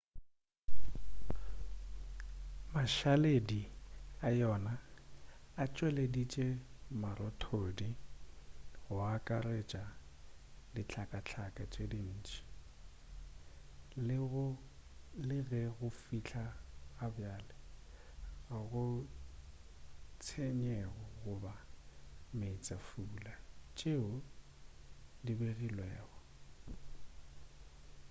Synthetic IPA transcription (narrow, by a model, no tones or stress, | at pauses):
maʃalediajɔnaː | t͡ʃʼwɛledit͡ʃʼemaɾɔtʰodi | ɣʊakʼaret͡ʃʼa | dit͡ɬʰakʼat͡ɬʰakʼat͡ʃʼedin̩ːt͡ʃʼi̥ | l | lɪɣɛɣʊfit͡ɬʰaːbjaːlɛ | ɣʊ | t͡sʰeɲɛɣɔɣʊba | meit͡sʼafuːlat͡ʃʼeʊ | dibeɣilwɛːɣɔ